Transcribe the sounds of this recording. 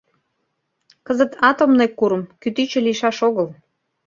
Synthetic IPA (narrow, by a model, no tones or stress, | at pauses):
kəzət̪ʰɑt̪omnekːuɾə̆mkyt̪yt͡ɕĕliʃɑʃoɣəl